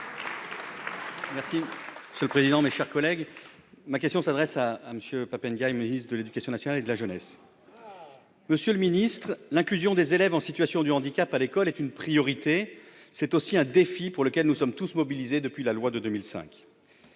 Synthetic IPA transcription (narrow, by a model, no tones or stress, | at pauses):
mɛʁsimə̥sjøləpχezid̪ɑ̃meʃɛʁkɔlɛɡ | mak̬ʲɛst̪jɔ̃sad̪ʁɛsaːməsjøpapɛnɡʲajmənist̪d̪əled̪ykasjɔ̃nasjɔnaled̪əlaʒənɛs | məsjøləminist̪χlɛ̃klyzjɔ̃d̪ezelɛvɑ̃sit̪ɥasjɔ̃d̪yɑ̃d̪ikʲapalekɔlɛt̪ynpχijɔʁit̪esɛt̪osiɛ̃d̪efipuʁləkʲɛlnusɔmt̪usmɔbilized̪əpɥilalwad̪əd̪ømilsɛ̰̃k